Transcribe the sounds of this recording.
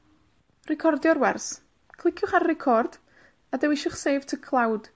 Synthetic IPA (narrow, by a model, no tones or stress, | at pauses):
rɛkʰɔrdjɔɾwɛrs | kʰlˠɪkʰjʊχaɾrɛkʰɔrd̥ | adəwɪʃʊχseːv̥tʰəkʰlˠawd̥